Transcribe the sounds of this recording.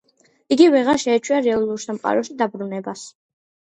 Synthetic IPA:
iɡivɛʁaɾʃɛːt͡ʃʰwiaɾɛalˠuɾsamqʼa̰ɾɔʃid̪abɾunɛbas

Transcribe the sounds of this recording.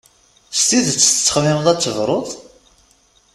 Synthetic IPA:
st̪iðt͡sːə̥ə̥t͡sːə̥χmɪmðˤæt͡sːəvɾˤoðˤ

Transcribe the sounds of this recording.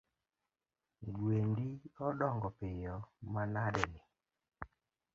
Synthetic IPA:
dwendiɔdɔŋɡɔpɪjɔmanadɛnɪ

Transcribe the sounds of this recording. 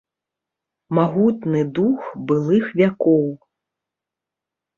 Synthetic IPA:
maɣut̪nɨd̪uxbɨlˠɨxvʲakɔw

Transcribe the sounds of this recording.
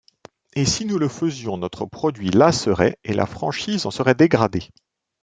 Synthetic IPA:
esinuləfəzjɔ̃nɔt̪χəpχɔd̪ɥilasəʁɛelʔa̰fχɑ̃ʃiːzɑ̃səʁɛd̪eɡʁad̪e

